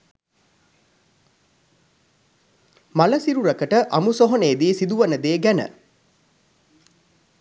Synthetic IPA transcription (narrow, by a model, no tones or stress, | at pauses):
maləsiɾuɾɐkəʈəʔɐmusoɦoneːd̪iːsid̪uʋɐnəd̪eːɡænə̰